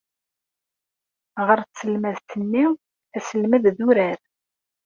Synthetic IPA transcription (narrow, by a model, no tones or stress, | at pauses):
ʁəɾsəlmæðt̪ənːi | æsəlmæððuɾæɾ